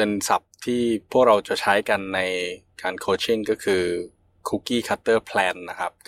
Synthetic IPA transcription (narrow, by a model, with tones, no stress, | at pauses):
e˧nsa̰˨˩p̚t̪ʰiː˥˩pʰu˥˩ək̚ɾa˧wt͡ɕa˨˩t͡ɕʰa˦˥jka˧nːa˧jkaː˧nkʰoː˧t͡ɕʰi˥˩ŋkɔː˥˩kʰɯː˧ | kʰu˦˥kiː˥˩kʰa˦˥t̪ːɤː˥˩pʰlɛː˧nːa˦˥kʰa˦˥p̚